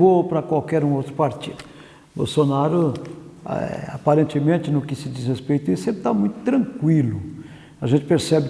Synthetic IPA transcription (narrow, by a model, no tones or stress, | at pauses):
vopɾɐkwawkɛɾũowt̪ɾʊpaɾt͡ʃ̪id̪ʊ | bo̰wsonaɾʊ̰ | a̰paɾẽnt̪ɪmẽnt̪ɪnʊkɪsɪd̪ishespejt̪ʊisẽpɾɪt̪amũj̃t̪ʊ̥t̪ɾɐ̃ŋkwilʊ | aʒẽnt͡ʃ̪ɪ̥peɾsɛbɪ